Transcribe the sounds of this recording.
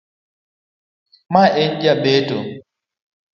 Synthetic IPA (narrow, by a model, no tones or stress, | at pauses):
maʔeɲd͡ʒabeto